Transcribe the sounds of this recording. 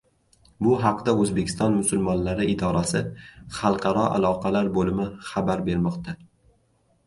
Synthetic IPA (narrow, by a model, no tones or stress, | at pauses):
bʊɦɑqd̪aɵzbekʲʰɪ̥st̪ɒnmʊsʊlmɒnlaɾɪɪd̪ɒɾasɪχɑlˠqʰɑɾɒʔa̰lˠɒqʰɑlaɾbolɪmɪχabaɾbe̞ɾmɒqt̪ʰa